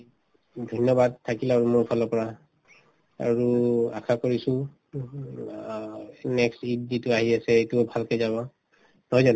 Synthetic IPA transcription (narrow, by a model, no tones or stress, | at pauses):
dʱɔjnɔbad̚tʰːakilaɹumʊɹpʰɔlɔpɔɹa | a̰ɹuakʰakoɹisʊ̃ | nɛkstid̚zitʊaɦiasɛetʊbʱalkezaβɔ | nɔɔzan